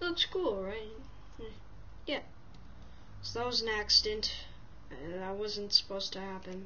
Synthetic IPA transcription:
ðəkskʰulˠɹaɪt̚ | j | jæ | soðəwʌz̃n̩æksɨdɨ̃nt | aɪwʌzɨ̃ntsə̥pʰoʊstʰɨhæpɨ̃n

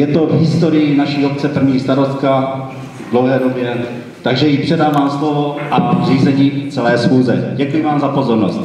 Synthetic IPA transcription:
jɛt̪o̞vɦɪst̪o̞ɾɪjɪnaʃiːo̞p̚t͡sɛpr̩vɲiːst̪aɾo̞st̪̚ka | dlowɦɛːdobjɛ | t̪aɡʒɛjipr̝̥ɛdaːvaːmslovo̞ʔariːzɛɲiːt͡sɛlɛːsxuːzɛ̰ɟɛkujɪvaːmzapo̞zo̞ɾnost̪

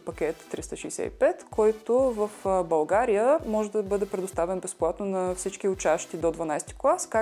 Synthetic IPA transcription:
pɐkʲɛt̪ːɾist̪əʃijsɛ̰ḭpɛt̪kʰɔjt̪ovəfbɐlˠɡaɾijəmɔʒɛd̪ɐbɤd̪ɛpɾɛd̪ʊst̪avɛnbɛsplˠat̪nonɐfsit͡ʃkiʊt͡ʃaʃt̪id̪od̪vɐnajst̪i̥klˠaska

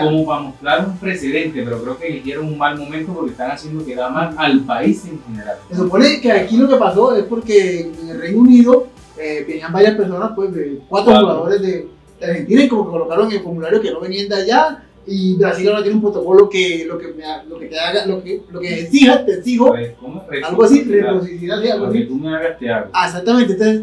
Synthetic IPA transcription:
komopamost̪ɾaɾumpɾe̞seðe̞nt̪epe̞ɾo̞kɾe̞okelihjeɾoŋuŋmalmõ̞mẽnt̪opo̞ɾkest̪aŋasjend̪okeðamasalpaiseŋxene̞ɾalsesupo̞nekeakilo̞ke̞paso̞e̞spo̞ɾkeeŋelrejnouniðo̞ | ebeniambaɾjaspe̞ɾso̞naspwe̞sðekwat̪ɾohuɣaðoɾe̞zðe | d̪̥ehent̪iɾeŋko̞mo̞keko̞lo̞kaɾoŋelfo̞ɾmulaɾjokenoβeniand̪aʝa | ibɾasilaoɾat̪jenumpɾo̞t̪oko̞lo̞kelokemealoket̪eaɣalokelokeesihast̪esiɦooalɡoasirepos̬iβiliðasialɣoasit̪umeaɣast̪ea̰ɣoaes̬ak̚t̪amẽnt̪ent̪oses

